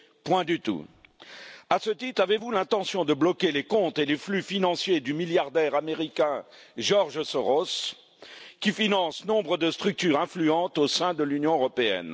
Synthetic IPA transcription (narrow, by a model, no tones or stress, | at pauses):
pwɛ̃d̪yt̪ṵ | asət̪it̪χavevulɛ̃t̪ɑ̃sjɔ̃d̪əblɔkʲelekɔ̃t̪eleflyfinɑ̃sjed̪ymiljaʁd̪ɛʁameʁikʲɛ̃ | ʒɔʁʒəsɔʁos | kʲifinɑ̃snɔ̃bʁəd̪əst̪χyk̚t̪yʁɛ̃flyɑ̃t̪osɛ̃d̪əlynjɔ̃øʁɔpeɛ̰n